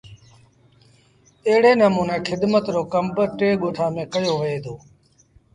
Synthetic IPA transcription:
eːɽeːnəmũːneːkʰɪɗ̪mət̪ɾoːkəmbʈeːɠoːʈʰaːmẽːkəjoːʋəeːd̪oː

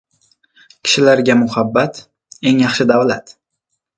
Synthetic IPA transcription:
kʲʰɪ̥ʃɪlaɾɡʲamʊhabːat̪ | e̞ŋjɑχʃɪd̪awlat̪

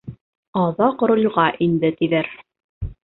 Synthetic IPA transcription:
ɑðɑq̆ɾŏlʲʁɑʔind̪ɘt̪iðæɾ

